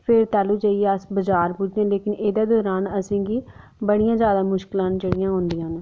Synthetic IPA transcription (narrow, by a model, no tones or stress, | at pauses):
pʰɪɾt̪ɛːluːd͡ʒaːieːəsbəd͡ʒaːɾpud͡ʒãːleːkɪneːd̪aːd̪ɔːɾaːnəsĩːɡiː | bəɽijãːzjaːd̪aːmʊʃkɪlãːnt͡ʃəɽijãːɦõːnd̪ijãːn